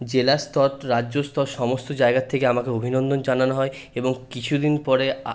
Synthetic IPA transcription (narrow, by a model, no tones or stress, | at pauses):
d͡ʑelast̪ʰɔɾɾadːʑost̪ʰɔɾʃɔmost̪od͡ʑaeɡat̪ʰːekeamakeobʱinɔnd̪ond͡ʑananoɦɔe | eboŋkit͡ɕʰud̪inpɔɾe